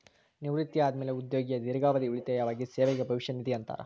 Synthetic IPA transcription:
niʋɾit̪jaːd̪meːleud̪jo̞ːɡijɐd̪iɾɐɡaːʋɐd̪iuɭit̪ejaːʋaːɡiseːʋɛɡebʱɐʋiʃjɐnit̪ijɐnt̪a̰ːɾɐ̰

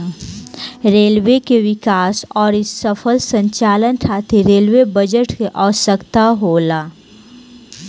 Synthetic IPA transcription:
ɾeːlwekeʋɪkaːsɔːɾɪsːəfʰəlsə̃ɲt͡ʃaːlənʈʰaːt̪ʰiɾeːlwebəd͡ʒəʈkeʔɔːsəkt̪aɦoːlaː

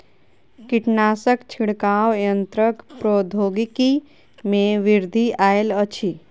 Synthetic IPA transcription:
kiʈnaːsəkt͡ʃʰiɽkaːwjənt̪ɾəkpɾoːd̪ʱoːɡiki | mẽʋɪɾd̪ʱiʔaːelət͡ʃʰi

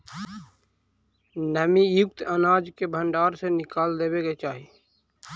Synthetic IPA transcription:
nəmijʊk̚t̪ənaːd͡ʒkebʱəɳɖaːɾsenɪkaːld̪ebeɡet͡ʃaːɦi

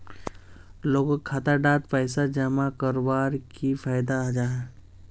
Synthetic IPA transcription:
loːɡkʰːaːt̪aɖaːt̪pɛɪsad͡ʒəmakəɾbaːɾkifʰaːjd̪aad͡ʒaɦɛː

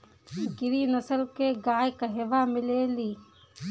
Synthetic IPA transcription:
ɡɪɾiːnəsəlkeːɡaːjkəɦeːʋaːmɪleːliː

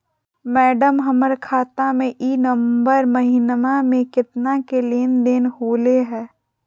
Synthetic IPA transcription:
mɛːɖəmɦəməɾkʰaːt̪amẽʔiːnəmbəɾməɦinmamẽkɪt̪nakeleːnd̪eːnɦoːleɦɛː

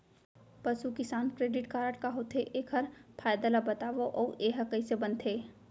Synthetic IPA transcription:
pɐsukɪsaːnkɾeːɖɪʈkaːɾəʈkaɦot̪ʰeʔeːkʰɐɾpʰaːjd̪alabɐt̪aːʋoʔɔːʔeːɦɐkəisebɐ̃nt̪ʰeː

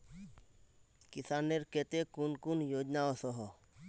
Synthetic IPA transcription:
kɪsaːnːeɾket̪ekunkunjoːd͡ʒnaɔsɔɦɔ

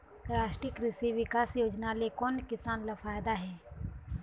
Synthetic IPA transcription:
ɾaːʃʈɾɪkɾɪsiʋɪkaːsjoːd͡ʒnalekɔːnkɪsaːnlafaːjd̪aɦɛː

